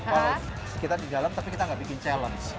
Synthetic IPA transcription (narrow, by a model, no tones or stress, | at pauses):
kala | sə̥kit̪ardidalamt̪apikit̪aŋɡaʔbikɪnt͡ʃɛləns